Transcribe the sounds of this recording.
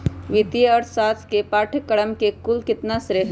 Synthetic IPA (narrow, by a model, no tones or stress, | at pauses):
ʋɪt̪ijəəɾʰsaːt̪ʰkepaːʈʰəkəɽəmkekʊlkɪt̪nasɾeɦ